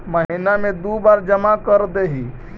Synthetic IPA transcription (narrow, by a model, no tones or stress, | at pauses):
məɦinamẽd̪ubaːɾd͡ʒəmakəɾd̪eɦi